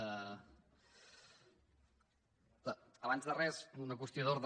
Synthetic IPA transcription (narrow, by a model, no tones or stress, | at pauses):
ə | əəβanzðərɛsunək̬ust̪ioðoɾð